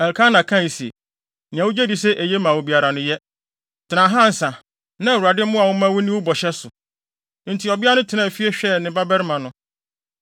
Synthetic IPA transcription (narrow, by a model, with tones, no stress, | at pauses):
ɛ˨lkʰã˦nã˨kʰã˦˨i˨si˨ḛ˨ | nɪ̃˨ã˨wʊ˦d͡ʑe˦di˨sɛ˦ʔe˨je˦mã˨wo˨bi˨a˨ɾa˨nʊ̃˦jɛ˦ | tʰɪ˨nã˨ɦã˦n̩˨˦sã˨ | nã˦˨wu˨ɾa˨dɪ˦mʊ̃˦a˨wʊ˦mã˦wʊ˦nɪ̃˦wʊ˦bɔ˨ɕɛ˦sʊ˨ | n̩˨˦tʰi˨ɔ˨bɪ˦a˦nʊ̃˦tʰɪ˨nã˦˨fi˦e˦ɕᶣɛ˦nɪ̃˨ba˦bɛ˦ɾmã˨nʊ̃˨